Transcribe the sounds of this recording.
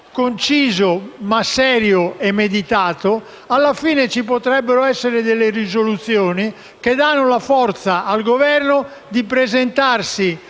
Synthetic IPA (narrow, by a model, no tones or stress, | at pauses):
kont͡ʃiːzomasːɛːɾjoɛmːed̪it̪aːt̪o | alːafiːnet͡ʃipot̪ɾɛbːeɾoɛsːeɾed̪elːerizolut̪sjɔːni | k̟ed̪anːʊlafɔɾt̪saʔalɡovɛrno | d̪ipɾezɛnt̪arsi